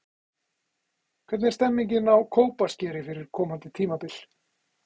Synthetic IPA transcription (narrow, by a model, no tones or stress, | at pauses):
kʰvɛt̪nɛɾst̪ɛmːiɲcɪnawkʰoːwpascɛːɾɪfɪɾɪɾ̥kʰɔːmant̪ɪt̪ʰiːmapɪl